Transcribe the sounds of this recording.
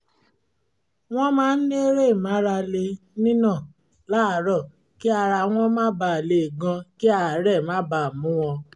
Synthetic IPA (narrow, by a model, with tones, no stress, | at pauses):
w̃ɔ̃˦mãː˦n̩˦nẽ˦ɾe˦˨mã˨˦ɾa˧le˧ | nĩ˦nã˦˨ | la˦˨˦ɾɔ˦˨ | ki˦a˧ɾa˧w̃ɔ̃˦mãː˦ba˧˨le˨ɡã˧ki˦a˧a˨˦ɾɛ˦˨mãː˨˦ba˨mũ˨˦w̃ɔ̃˧